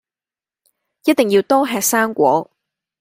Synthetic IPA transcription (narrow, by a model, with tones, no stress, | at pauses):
jɐ˥t̚t̪ɪ˨ŋjiː˧wt̪ɔː˥ɦɛː˧k̚saː˥ŋkʷɔː˨˥